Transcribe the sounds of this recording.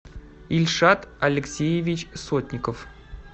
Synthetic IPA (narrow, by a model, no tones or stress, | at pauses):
ɪlʲʂat̪ɐlʲɪksʲejɪvʲɪt͡ɕsot̪ʲnʲɪkəf